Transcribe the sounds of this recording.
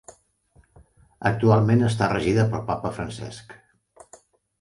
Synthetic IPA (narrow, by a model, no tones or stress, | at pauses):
ək̚t̪ualˠmenəst̪arəʒiðəpəlˠpapəfɾənsɛ̰sk